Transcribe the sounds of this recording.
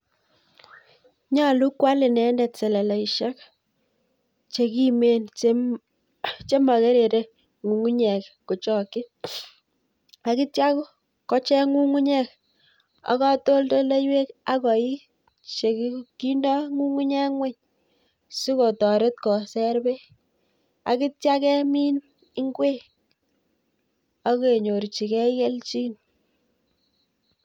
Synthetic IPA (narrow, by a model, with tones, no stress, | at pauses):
ɲa˦˨lu˦kːwa˦lɪ˨nɛ˨˦ndɛ˨tsɛ˨lɛ˨la˨i˨ʃɛ˦k | t͡ʃe˨ki˦me˨˦n˦ | t͡ʃe˦ma˨ke˦ɾe˨ɾe˦ | ŋu˨ŋu˦ɲɛ˨kko˨t͡ʃɔ˨kːɪ˦ | a˨ki˦tja˦kʊ˦ | kɔ˦t͡ʃɛ˦ŋu˦ŋu˦ɲɛ˦k̚ | a̰˨kɔ˦to˦lto˦le˦jwe˦ka˦kɔ˨i˦ | t͡ʃe˨kki˦ndɔ˦ŋu˦ŋu˦ɲɛ˦ŋwe˦ɲ | su˦ko˨tɔ˨ɾe˦t̚kɔ˨sɛ˦ɾbe˦ | a̰˨ki˦tja˦kɛ˦mi˦n | i˦ŋɡwe˦ | a˦ke˨ɲo˨ɾt͡ʃi˨kɛ˦kɛ˦lt͡ʃi˦n